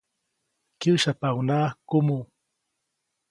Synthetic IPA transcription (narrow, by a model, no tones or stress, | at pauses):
kiwʃapawnaːkʊmu